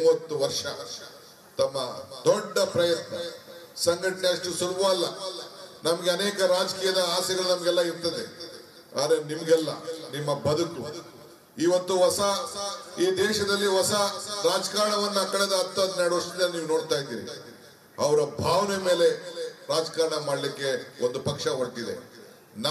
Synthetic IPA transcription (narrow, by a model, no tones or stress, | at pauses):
uːʋɐt̪ːuʋɐɾʂɐ | t̪ɐmːɐd̪ɔɖːɐpɾɐjɐt̪nɐ | sɐŋɡɐʈɐneɐʂʈusulubɐːlːɐ | nɐmɐɡeɐneːkɐɾaːd͡ʒɐkiːjɐd̪ɐaːsɐɡɐɭunɐmɐɡɛlːɐiɾt̪ɐd̪e | a̰ːd̪ɾɐnimɐɡɛlːɐnimːɐbɐd̪uku | iʋɐt̪ːuʋɐsɐiːd̪ɛːʃɐd̪ɐlːiʋɐsɐɾaːd͡ʒɐkaːɾɐɳɐʋɐnːakɐɭed̪ɐːt̪ːɐd̪nɛɾɽɐʂid̪elːniːʋno̞ːɽt̪aːjid̪iːɾḭ | ɐʋɐɾɐbʱaːʋneme̞ːle̞ɾaːd͡ʒkaːɾɐɳɐmaːɽlikːe̞ond̪upɐkʂɐɦɐɽt̪id̪ḛ | nː